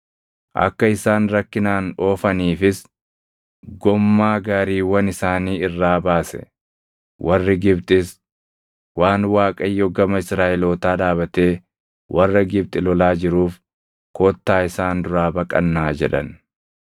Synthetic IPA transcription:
ʔɐ̰kːɐɪsaːnɾɐkːɪnaːnoːfɐniːfɪs | ɡɔmːaːɡaːɾiːwɐnɪsaːniːɪrːaːbaːsɛ̰ | wʔɐrːɪɡɪbt̪ʼɪs | waːnwaːkʼɐjːɔɡɐmɐɪsɾaːʔɛloːt̪aːd̪aːbɐt̪e̞ː | wʔɐrːɐɡɪb̚t̪ʼɪlɔlaːd͡ʒɪɾuːf | koːt̪ːaːɪsaːnd̪ʊɾaːbɐkʼɐ̰nːaːd͡ʒɛ̰ᶑɐ̰n

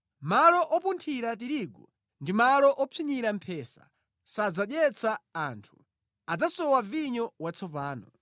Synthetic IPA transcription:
malɔʔɔpuntʰiɾatiɾiɡɔ | ndimalɔʔɔpʰiɲiɾam̩pʰɛsḁ̰ | sad͡zaɗjɛt͡sʰaːntʰu̥ | ad͡zasɔwaviɲɔwat͡sʰɔpaːnɔ

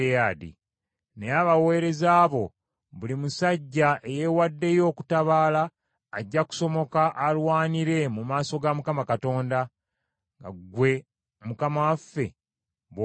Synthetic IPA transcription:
eadḭ | ne̞aβawe̞ɾe̞zaːβo̞ | βulimusaɟːaʔe̞je̞wadːe̞jo̞ːku̥taβaːlaː | ɟːaku̥so̞mo̞kaʔalwaːniɾe̞mumaːso̞ɡamukamakato̞ːnda | ŋɡa̰ɡwe̞ | mukamawafːe̞ | β

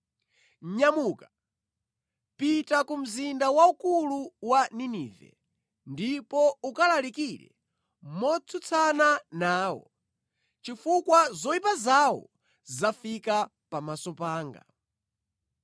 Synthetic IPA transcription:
ɲamuːka | pitakum̩zindawaukuluwaniniːvɛ̰ | ndipɔukalalikiɾɛ̰ | mɔt͡sʰut͡sʰananaːwɔ̰ | t͡ʃifukwazɔipazawɔ̰ | zafika | pamasɔpaːŋɡa̰

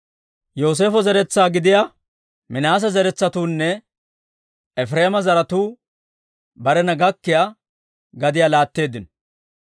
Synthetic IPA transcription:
jo̞ːs̬eːfɔzɛɾɛt͡sːaːɡɪd̪ɪja | mɪnaːs̬ɐzɛɾɛt͡sːɐt̪uːnːɛ | ɛfɾeːmɐzɐɾɐt̪uː | bɐɾɛnɐɡɐkːɪja | ɡɐd̪ɪjaːlaːt̪ːe̞ːd̪ːɪnɔ

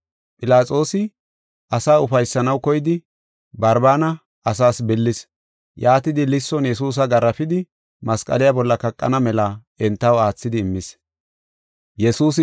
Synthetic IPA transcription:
pʼɪlaːt͡sʼo̞ːsɪ | ʔɐsaːʊfɐjsːɐnɐwkɔjɪd̪ɪ | bɐɾbaːnɐ | ʔɐsaːsbɪlːɪs | jaːt̪ɪd̪ɪlɪsːɔnjɛs̬uːs̬ɐɡɐɾːɐpɪd̪ɪ | mɐskʼɐ̰lɪjabɔlːɐkɐkʼːɐ̰nɐmɛla | ɛnt̪ːɐwaːt͡sːɪd̪ɪːmːɪs | jɛsuːs̬

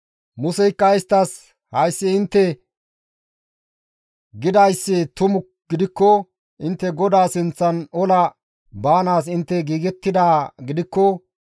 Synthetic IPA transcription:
mʊsɛjkːɐɪst̪ːɐs | hɐjsːɪɪnt̪ːɛ | ɡɪd̪ɐjsːɪt̪ʊmʊ | ɡ̥ɪd̪ɪkːɔ | ʔɪnt̪ːɛɡɔd̪aːsɪnt͡sːɐnɔlɐ | baːnaːs̬ɪnt̪ːɛɡiːɡɛt̪ːɪd̪aːɡɪd̪ɪkːɔ

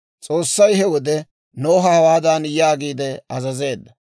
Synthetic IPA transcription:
t͡sʼo̞ːsːɐjhɛwɔd̪ɛ | no̞ːɦɐhɐwaːd̪anjaːɡiːd̪ɛɐzɐze̞ːd̪ːɐ

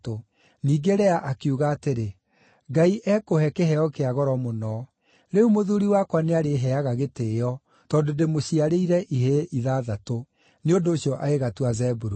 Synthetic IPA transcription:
to | niːɡeɾɛaʔakiuɣaːteɾe | ɡaiʔɛkohɛkɛhɛɔkeaɣɔɾɔmonɔ | ɾeumoðuɾiwakwaneaɾeɦɛaɣaɣeteːjɔ | tɔːdodemoɕiaɾeiɾɛʔiɦeʔiðaðato | neondoːɕiɔʔaeɣatuazɛbuɾu

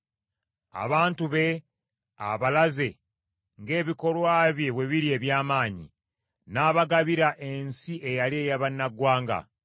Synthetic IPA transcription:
a̰βaːntuβe̞ | a̰βalaze̞ | ŋɡe̞ːβiko̞lwaːβje̞βwe̞βiɾie̞βjaːmaːɲḭ | naːβaɡaβiɾaʔe̞nsiʔe̞jalie̞ːjaβanːaɡwaːŋɡa̰

